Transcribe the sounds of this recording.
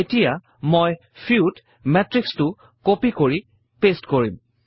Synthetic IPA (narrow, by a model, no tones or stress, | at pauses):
etija | moj | pʰiud | mɛtɹikstʊ | kopikoɹi | pestkoɹim